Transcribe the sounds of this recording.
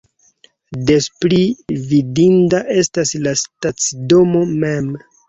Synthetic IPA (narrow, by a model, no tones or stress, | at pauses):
de̞splividindaʔe̞staslastat͡sdo̞mo̞me̞m